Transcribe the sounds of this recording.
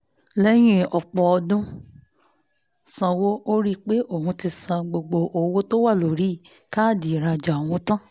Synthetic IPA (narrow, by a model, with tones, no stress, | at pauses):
lɛ˦j̃ĩ˦ɔ˨k͡pɔ˨ɔ˧dũ˦ | sã˧wo˦ʔo˦ɾi˦k͡pe˦ʔo˦˨hũ˧ti˧sã˧ɡ͡bo˨ɡ͡bo˨ʔo˨˦wo˦to˦wa˦˨lo˨ɾi˦˨ | ka˦˨di˨ɾa˧d͡ʒa˨w̃ɔ̃˧˦tã˦